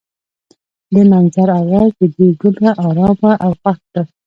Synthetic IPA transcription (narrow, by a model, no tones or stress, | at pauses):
d̪ənanzaɾawɑzd̪əd̪eɡʊlaʔɑɾɑbaʔawxaxd̪a